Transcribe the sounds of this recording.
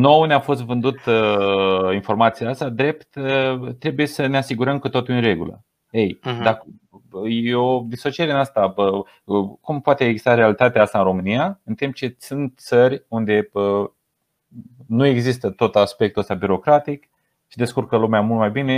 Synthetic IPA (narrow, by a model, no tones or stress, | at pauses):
no̞wneafo̞s̬t̪vɨnd̪ut̪ | info̞rmat̪siaast̪ad̪ɾe̞pt̪t̪ɾe̞buje̞səne̞asiɡuɾəmkət̪ot̪ujɨnre̞ɡṵlə̰ | ejd̪ak | jeod̪iso̞t͡ʃieɾinast̪aə | kumpoat̪eeɡzist̪aɾealit̪at̪eaast̪aɨnɾo̞mɨnijaɨnt̪imp̚t͡ʃe̞sunt̪̚t̪sərʲund̪e̞bə | nue̞ɡzist̪ət̪o̞t̪aspe̞k̚t̪uəst̪abiɾo̞kɾat̪ik | ʃid̪e̞skurkəlumeamult̪̚majbine̞